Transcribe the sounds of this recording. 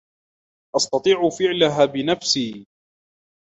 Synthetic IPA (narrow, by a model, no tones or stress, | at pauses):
ʔɑst̪ɑt̪ˤiːʕʊfɪʕlaɦaːbɪnafsiː